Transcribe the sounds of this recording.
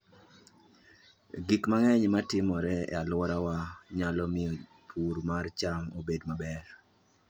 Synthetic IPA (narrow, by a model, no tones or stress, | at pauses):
ɡikmaŋɛɲmatɪmɔɾɛɛ̰alwɔɾawaɲalɔmɪɔ | pʰuɾmart͡ʃaŋobedmabɛr